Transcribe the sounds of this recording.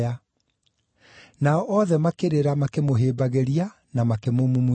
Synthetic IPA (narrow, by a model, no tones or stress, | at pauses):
a | naɔʔɔðɛmakeɾeɾamakemoɦeːbaɣeɾia | namakemomum